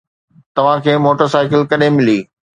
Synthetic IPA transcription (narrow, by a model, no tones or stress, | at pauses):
t̪ɐʋ̤ãkʰeːmoːʈəɾsaːɪkɪlkɐɗẽmɪliː